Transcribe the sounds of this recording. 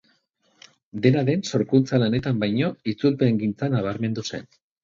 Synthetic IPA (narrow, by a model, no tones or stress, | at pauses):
d̪e̞naðe̞nso̞ɾkunt͡salane̞t̪ambajɲo̞it͡sulpe̞ŋɡint͡sanaβ̞aɾme̞nd̪use̞̰n